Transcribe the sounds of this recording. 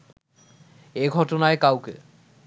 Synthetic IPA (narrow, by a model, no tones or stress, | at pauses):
eɡʱɔtonaekawkḛ